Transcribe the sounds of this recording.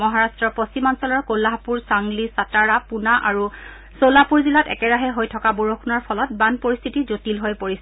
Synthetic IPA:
mɔɦaɹastɹɔpost͡ɕimansɔlɔɹkolaɦpuɹsaŋlisataɹapunaʔaɹu | solapuɹzilatɛ̰kɛɹaɦɛɦojtʰɔkaboɹokʰunaɹpʰɔlɔt̚banpoɹist̪ʰitizotilɦojpoɹist

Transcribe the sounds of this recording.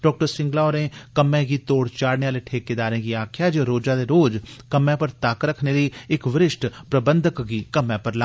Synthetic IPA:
ɖɔːk̚ʈəɾsɪ̃ŋɡlaːoɾẽːkəmɛ̃ːɡiːt̪oːɽt͡ʃaːɽneːaːleːʈʰeːkeːd̪aːɾɛ̃ːɡiːaːkʰɪjaːd͡ʒoɾoːd͡ʒãːd̪eːɾoːd͡ʒkəmɛ̃ːpəɾt̪aːkɾəkʰneːləiːɪkʋɪɾɪʃʈpɾəbənd̪əkɡiːkəmɛ̃ːpəɾlaː

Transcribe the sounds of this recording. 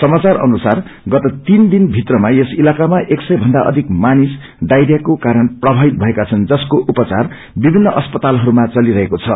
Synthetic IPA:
sʌmat͡sarʌ̰nusarɡʌt̪ʌt̪ind̪inbʱit̪rʌmaesilakamaʔeksʌjbʱʌnd̪aʔʌ̰d̪ʱikmanis | ɖajɾjakokaɾʌnprʌbʱabit̪̚bʱʌekat͡sʰʌnd͡zʌskoʔupʌt͡sa̰r | bibʱinːʌʔʌspʌt̪alɦʌɾumat͡sʌliɾʌɦekot͡sʰʌ

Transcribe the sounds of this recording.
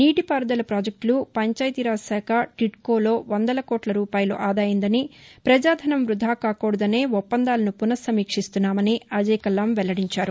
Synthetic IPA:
niːʈipaːɾɐd̪ɐlɐpɾaːd͡ʒɐk̚ʈlupɐɲt͡ʃaːjt̪iɾaːsaːkʰɐʈiʈkoːlo̞ːʋɐnd̪ɐlɐkɔːʈlɐɾuːpaːjɐlṵʔaːd̪aːjind̪ɐnipɾɐd͡ʒaːd̪ʱɐnɐmʋɾud̪ʱaːkaːkɔːɽɐd̪ɐne̞ːɔpːɐnd̪aːlɐnupunɐsɐmiːkʂist̪unːaːmɐniɐd͡ʒɐjkɐlːɐmʋɛlɐɽiɲt͡ʃaːɾu

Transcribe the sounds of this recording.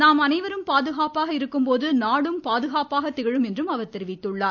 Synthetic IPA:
naːmɐnɐɪʋɐɾɯmpaːðɯɣaːpaːɣɐɪɾɯkːɯmpoːðɯnaːɽɯmpaːðɯɣaːpaːɣɐt̪ːɪɣɐɻɯmɛndrɯmɐʋɐɾt̪ɛɾɪʋɪt̪ːɯɭːaːɾ

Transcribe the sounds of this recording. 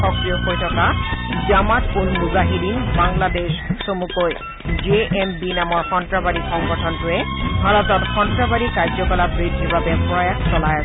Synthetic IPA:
xɔkɹijɔxojtʰɔkazamatponnuzaɦidinbaŋladeʃsomukoj | d͡ʒeʔɛmbinamɔɹxɔntɹabaɹixɔŋɡɔtʰɔntʊɛbʱaɹɔtɔtxɔntɹabaɹikaɹd͡ʒɔkɔlabɹidʱːibabɛpɹɔjaksɔlaj

